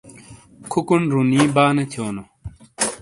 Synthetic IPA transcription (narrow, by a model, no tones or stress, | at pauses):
kʰukunɾuniːbaːnet̪ʰjoːno